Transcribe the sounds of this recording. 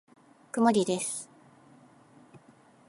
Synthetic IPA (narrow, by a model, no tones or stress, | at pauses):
kɯ̟moɾʲid̪esɨ̥